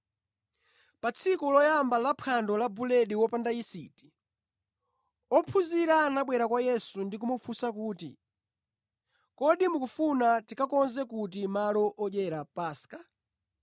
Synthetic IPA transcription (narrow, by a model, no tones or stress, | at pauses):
pat͡sʰikulɔjambalapʰandɔlabulɛɗiwɔpandaisḭti̥ | ɔpʰuziɾanaɓwɛɾakwajɛsundik̬umɔfʰusakuːtḭ | kɔɗimukufunatikakɔnzɛkut̬imalɔʔɔʄɛɾapaːskḁ